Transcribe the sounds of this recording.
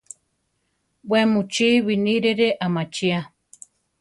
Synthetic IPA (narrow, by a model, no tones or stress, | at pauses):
wwemut͡ʃiβiniɾeɾeʔamat͡ʃia